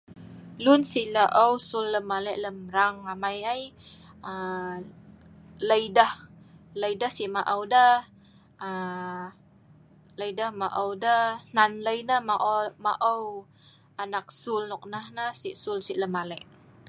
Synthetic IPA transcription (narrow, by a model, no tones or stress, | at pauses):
lunsiʔləʔəwsulːəmalɛʔləmɾaŋamajaj | ə | ləjdəh | ləjdəhsiʔmaʔəwdə | ə | ləjdəhmaʔəwdənanləjnəhmaʔmaʔəw | anak̚sulnɔk̚nahnahsiʔsulsiʔləmalɛʔ